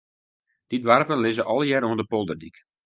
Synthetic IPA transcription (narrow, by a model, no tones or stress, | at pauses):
d̥idʋarpənlɪzəʔɔlˠjɛɾoəndəpɔlˠdərdik